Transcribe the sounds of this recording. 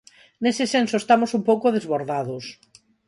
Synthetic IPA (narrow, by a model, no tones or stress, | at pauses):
nesɪsensoest̪amʊsumpowkoðezβoɾðaðʊs